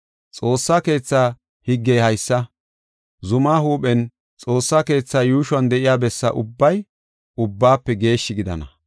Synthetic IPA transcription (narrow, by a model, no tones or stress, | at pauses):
t͡sʼo̞ːsːaːke̞ːt͡sːaː | hɪɡːɛjhɐjsːɐ | zʊmaːhuːpʼɛn | t͡sʼo̞ːsːaːke̞ːt͡sːaːjuːʃwɐnd̪ɛʔɪjaːbɛsːɐ̰ʔʊbːɐj | ʊbːaːpːɛɡe̞ːʃːɪɡɪd̪ɐ̰nɐ̰